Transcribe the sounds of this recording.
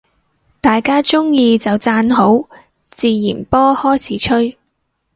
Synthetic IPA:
t̪aː˨jkaː˥t͡sʊ˥ŋjiː˧t͡sɐ˨wt͡saː˧nɦo˨˥w | t͡siː˨˧jiː˨˩npɔː˥hɔː˥jt͡sʰiː˨˥t͡ʃʰɵ˥ɥ

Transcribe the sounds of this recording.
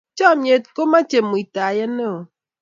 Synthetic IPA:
t͡ʃɔ˦˨m˦e˨˦t̚ko˦ma˦t͡ʃe˨mu˨i˨ta˨je˦ne˦o˨

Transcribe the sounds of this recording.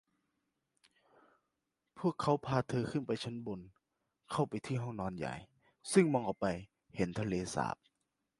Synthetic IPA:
pʰu˥˩əkʰːa˦˥wpʰaː˧t̪ʰɤː˧kʰɯ˧˥˨npa˨˧jt͡ɕʰa˦˥nbo˧n | kʰa˥˩wpa˨jt̪ʰiː˥˩ɦɔ˥˩ŋnɔː˧nja̰˨˩j | sɯ˥˩˨ŋmɔː˧ŋʔa˨˩wpa˧j | he˨˦nt̪ʰa˧leː˧sa̰ː˨˦p̚

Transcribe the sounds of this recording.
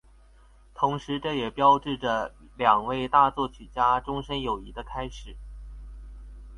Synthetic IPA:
t̪ʰʊ˧˥ŋʂɻ̩˧˥ʈ͡ʂɤ˥˩jɛ˨˩pjɑ˥ʊʈ͡ʂɻ̩˥˩ʈ͡ʂə˩ | ljɑ˨˩ŋwe˥˧ɪt̪a˥˧t͡swɔ˥˩t͡ɕʰy˨˩t͡ɕja˥ʈ͡ʂʊ˥ŋʂə˥njo˨˩ʊi˧˥d̪ə˧kʰa˥ɪʂɻ̩˨˩˦

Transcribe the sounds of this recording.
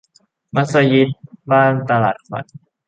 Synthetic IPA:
ma˦˥t̪̚sa˧ji˦˥t̪̚baː˥˩nt̪a˧laː˨˩t̪̚fa̰˨˩˦n

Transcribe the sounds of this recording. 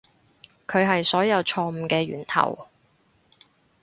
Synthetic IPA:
kʰɵ˨˧ɥɦɐ˨jsɔː˨˥jɐ˨˧wt͡ʃʰɔː˧m̩˨˧kɛː˧ɥy̰ː˨˩nt̪ʰɐ̰˨˩w

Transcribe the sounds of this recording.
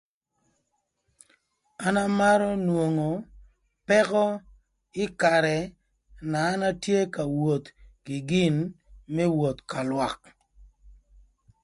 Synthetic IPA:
a˦na˦ma˦ɾɔ˦nwo˨ŋo˨ | pɛ˦kɔ˦ | ɪ˦ka˨ɾɛ˨ | naː˨˦na˦tje˦ka˨wo˨t̪kɪ˨ɡɪ˦nmɛ˦wo˨t̪ka˨lwa˨k̚

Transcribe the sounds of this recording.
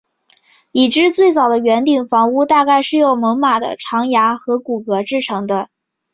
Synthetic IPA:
i˨˩ʈ͡ʂɻ̩˥˧t͡swe˥˩ɪt͡sɑ˨˩ʊd̪ə˦ɥɛ˧˥nt̪i˨˩ŋfɑ˧˥ŋu˥˧t̪a˥˧ka˥˧ɪʂɻ̩˥˧jo˥˩ʊmɤ˧˥ŋma˨˩d̪ə̰˦˩ʈ͡ʂʰɑ˧˥ŋja˧˥xɤ˧˥ku˨˩kɤ˧˥ʈ͡ʂɻ̩˥˩ʈ͡ʂʰɤ˧˥ŋd̪ə˧

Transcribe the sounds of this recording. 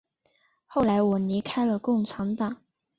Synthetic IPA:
xo˥˩ʊla˧˥ɪwɔ˨˩li˧˥kʰa˥ɪlə˨kʊ˥˩ŋʈ͡ʂʰɑ˧˥ŋt̪ɑ˨˩˦ŋ

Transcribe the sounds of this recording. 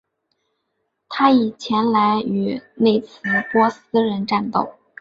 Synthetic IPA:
t̪ʰa˥i˨˩t͡ɕʰjɛ˧˥nla˧˥ɪy˨˩ne˥˩ɪt͡sʰɹ̩˧˥pwɔ˥sɹ̩˥ɻə˧˥nʈ͡ʂa˥˧nt̪o˥˩ʊ

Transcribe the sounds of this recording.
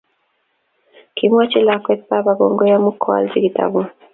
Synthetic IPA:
kʰim˦a˦t͡ʃi˦la˨kwɛ˦t͡sa˦ba˨ɡɔŋɡɔ˦ja˦mu˦kʰɔ˦a̰˨lzi˦ɡi˨ta̰bu˦

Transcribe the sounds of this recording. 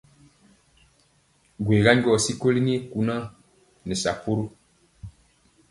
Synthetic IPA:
ɡweː˨ɡa˦ɲ˦ɡɔ˦˨si˦ko˦li˦ni˦ku˨nã˦ | nɛ˨sa̰˨pu˦ɾu˦

